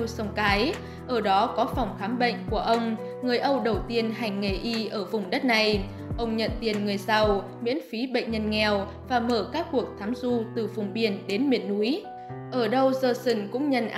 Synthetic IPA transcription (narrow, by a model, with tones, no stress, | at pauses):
sə˨˧˩wŋ͡mkaː˨˦j | ʔəː˧˩ɗɔ˨˦kɔ˨˦fa˨˩wŋ͡mxaː˨˦mɓə̰˧˨ŋ̟ku˧˩əʔə˧wŋ͡m | ŋɨ˨˩əjʔə˧wɗə˨˩wt̪i˧ənɦa˨˩jŋ̟ːe˧˨˩ʔi˧ʔəː˧˩vʊ˨˩ŋ͡mɗə˦˥t̚na˨˩j | ʔə˧wŋ͡mɲə̰˧˨nt̪i˨˩ənŋɨ˨˩əjsa˧w | mḭ˧˥ənfi˨˦ɓə̰˧˨ŋ̟ɲə˧nŋɛ˨˩w | vaː˨˩məː˧˩kaː˦˥kːu˨˩ək̚t̪ʰaː˨˦mzu˧t̪ɨ˨˩vʊ˨˩ŋ͡mɓi˨˩ənɗe˨˦nmḭ˧˩ənːu˨˦əj | ʔəː˧˩ɗə˧wzəː˧˩sɨ˧˩ŋkʊ̰˧˥ŋ͡mɲə̰˧˨nʔa